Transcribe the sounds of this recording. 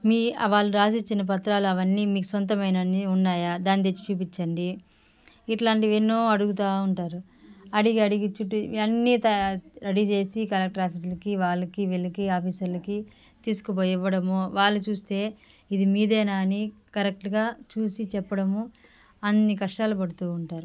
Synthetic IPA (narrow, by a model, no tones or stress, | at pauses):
miːɐʋaːɭːuɾaːsit͡ʃːinɐp̬ɐt̪ɾaːluɐʋɐnːimiːkusont̪̬ɐmɐjnɐnːiunːaːjaːd̪aːnid̪et͡ʃːt͡ʃuːpit͡ʃːɐɳɖi | iʈlaːɳʈiʋenːoːɐɽuɡut̪aːuɳʈaːɾu | ɐɽiɡiɐɽiɡit͡ʃːuʈːuɐnːit̪ɐɾɐɽit͡ʃe̞ːsikɐlɐk̚ʈɾaːpʰiːs̬ɐlɐkiʋaːɭːɐkiʋelɐkiaːpiːsɐɾlɐki | t̪iːsu̥kupoːjiʋːɐɽɐmoːʋaːɭːut͡ʃuːst̪e̞ː | id̪imiːd̪ɛːnaːnikɐɾek̚ʈɡaːt͡ʃuːsit͡ʃɛpːɐɽɐmu | ɐnːikɐʂʈaːlupɐɽut̪uːɳʈaːɾu